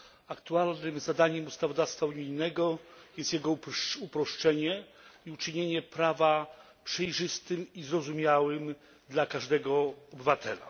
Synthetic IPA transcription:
akt̪ualnɘmzad̪aɲɛmust̪avɔd̪afst̪fauɲijnɛɡɔjɛst̪jɛɡɔupɾɔʂt͡ʂɛɲɛiut͡ʂɘɲeɲɛpɾava | pʂɛjʐɘst̪ɘmizɾɔzumʲjawɘm | d̪lakaʐd̪ɛɡɔɔbɘvat̪ʰɛla̰

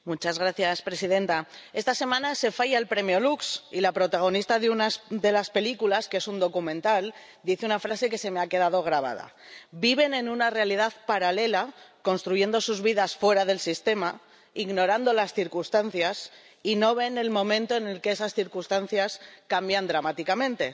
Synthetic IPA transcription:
mut͡ʃazɣɾaθjaspɾe̞siðe̞nt̪ae̞st̪ase̞mãnase̞faʝaelpɾe̞mjo̞luksilapɾo̞t̪aɣ̞o̞nist̪aðeunad̪e̞laspe̞likulaskee̞sund̪o̞kumẽ̞nt̪al | d̪iθunafɾase̞ke̞se̞meake̞ð̞að̞o̞ɣ̞ɾaβ̞a̰ða̰biβe̞nẽ̞nũnare̞alið̞aðpaɾale̞lako̞nst̪ɾuʝe̞nd̪o̞suzβiðasfwe̞ɾaðe̞lsist̪e̞ma | iɣno̞ɾand̪o̞lasθiɾkust̪anθjas | ino̞βe̞ne̞lmõ̞mẽnt̪o̞ene̞lkeesasθiɾkust̪an̟θjaskambjand̪ɾamat̪ikamẽ̞nt̪e̞

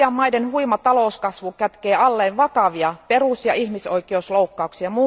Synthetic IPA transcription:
ɑmːɑidenhuimɑt̪ɑloˑuskɑsʋukæt̪keːɑlːeːʋʋɑkɑʋiɑperusjɑ̰ihmisoikeusloukːɑuksiɑmuː

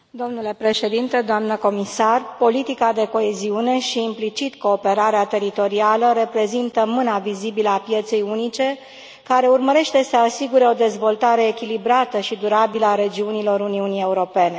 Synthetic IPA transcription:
d̪o̞mnule̞pɾe̞ʃe̞d̪int̪ed̪oamnəko̞misarpo̞lit̪ikad̪e̞ko̞e̞ziune̞ʃiːmplit͡ʃit̪ko̞ːpe̞ɾaɾeat̪e̞ɾit̪o̞ɾialəɾe̞pɾe̞zint̪əmɨnavizibiləapje̞t̪se̞junit͡ʃe̞ | kaɾe̞urməɾe̞ʃt̪e̞səasiɡuɾe̞o̞d̪e̞zvo̞lt̪aɾe̞ːkʲilibɾat̪əʃid̪uɾabiləaɾe̞d͡ʒiunilo̞ɾuniunije̞uɾo̞pe̞ne̞

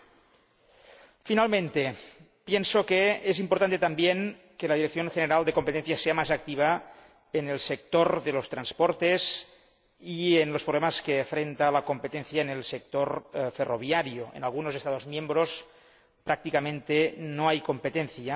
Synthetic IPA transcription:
finalmẽnt̪e | pjensokeezimpoɾt̪ant̪et̪ambjeŋ | kelaðiɾek̚θjonxeneɾalˠd̪ekompet̪enθjaseamazak̚t̪iβ̞a | enelsek̚t̪oɾðelost̪ɾanspoɾt̪ez | ienlospɾoβlemaskefɾent̪alakompet̪enθjaenelsek̚t̪oɾferʔoβiaɾjoḛnalˠɣunozest̪að̞ozmjembɾos | pɾak̚t̪ikamẽnt̪enoajkompet̪enθja

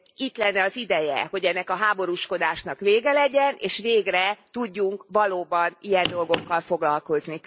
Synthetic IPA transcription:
it̪lɛnːɛɒzid̪ɛjɛ̰ho̞ɟɛnːɛkɒɦaːbo̞ɾuʃko̞d̪aːʃnɒkʋeːɡɛlɛɟɛneːʃʋeːɡrɛt̪uɟːuŋkvɒloːbɒnijɛnd̪o̞lɡo̞kːɒlfo̞ɡlɒlko̞zni

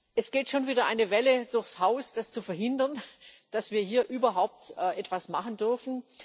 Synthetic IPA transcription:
ʔɛsɡ̥eːtʃoːnviːdɐʔa̰ɪnəvɛləd̥ʊɐçshaʊsd̥ast͡sufɛɐɦɪndɐnd̥asv̥iːɐhiːɐʔyːbɐɦaʊp̚tʔɛːʔɛtv̥asmaχəndʏɐfn̩

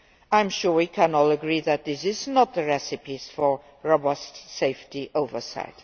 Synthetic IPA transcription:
ãɪ̃mʃʊɹwikʰæ̃nɔləɡɹiðɨt̪̚ðɪsɪznət̪̚ðəɹɛsɨpiz̥fə˞ | ɹɔbəseɪftiʔoʊvə˞sa̰ɪt

